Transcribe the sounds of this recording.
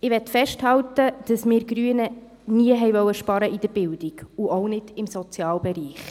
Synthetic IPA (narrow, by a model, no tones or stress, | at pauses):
ɪʋɛtfɛʃthɑwtəd̥ɑsmɪːɾɡɾyənə | niəɦɛjʋœwːəʃpɑɾəʔɪd̥əɾb̥ɪld̥iɡ̥uʔownɪd̥ɪmsɔt͡sjɑːlbɛɾiːχ